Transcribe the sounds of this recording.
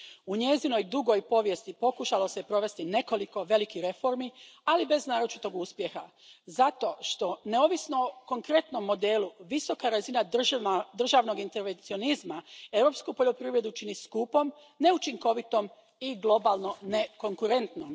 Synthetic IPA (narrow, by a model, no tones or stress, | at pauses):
uɲe̞zino̞jd̪uɡo̞jpo̞ʋje̞st̪ipo̞kuʃalo̞se̞pɾo̞ʋe̞st̪ine̞ko̞liko̞ʋe̞likiɾe̞fo̞ɾmialibe̞znaːɾo̞t͡ʃit̪o̞ɡuːspje̞xa | zat̪o̞ʃt̪o̞ne̞o̞ʋisno̞ko̞ŋkɾe̞t̪no̞mːo̞d̪eːluʋiso̞kaɾazinaad̪r̩ʒaːʋno̞ɡint̪e̞ɾʋent̪sio̞nizmaewɾo̞pskupoʎo̞pɾiʋɾe̞d̪ut͡ʃiniskupo̞m | ne̞ut͡ʃiŋko̞ʋit̪o̞m | iɡlˠo̞balˠno̞ne̞ko̞ŋkuɾe̞nt̪nom